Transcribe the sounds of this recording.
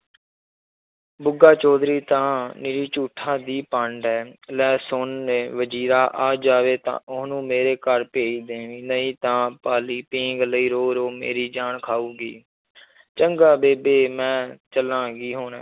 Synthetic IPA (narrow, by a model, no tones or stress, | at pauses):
bʊɡaːt͡ʃɔːd̪ɾiːt̪ãːnɪɾiːt͡ʃuːʈʰãːd̪iːpəɳɖɦɛːlɛːsonːẽːʋəd͡ʒiːɾaːʔaːd͡ʒaːʋeːt̪ã̰ːʔʊɦnũːmeːɾeːkəɾpeːiːd̪ẽːʋĩːnəĩːt̪ãːpaːliːpĩːŋɡləiːɾoːɾoːmḛːɾiːd͡ʒaːɳkʰaːuːɡiː | t͡ʃəŋɡaːbeːbeːmɛ̃ːt͡ʃəlãːɡiːɦoːnɛ̰ː